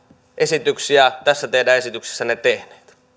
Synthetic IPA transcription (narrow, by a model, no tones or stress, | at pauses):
ʔesit̪yksiæt̪æsːæt̪ehdæːesit̪ykse̥sːænet̪ehne̥ːt̪